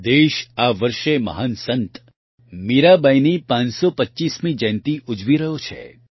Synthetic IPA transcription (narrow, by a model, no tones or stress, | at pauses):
d̪eʃaʋəɾʃemə̰ɦansənt̪ | miɾabajnipãt͡ʃsopətːt͡ʃismĩd͡ʒə̃jnt̪iʔʊd͡ʒʋiɾəɦjot͡ʃʰḛ